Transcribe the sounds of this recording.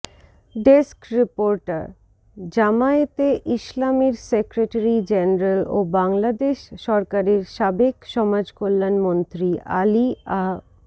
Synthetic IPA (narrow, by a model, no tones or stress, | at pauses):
ɖeskɾipoɾʈa̰ɾ | d͡ʑamaet̪eʔiʃlamiɾsekɾeʈaɾid͡ʑɛneɾalobaŋlad̪eʃʃɔɾkaɾeɾʃabekʃɔmad͡ʑkolːanmont̪ɾiʔa̰lia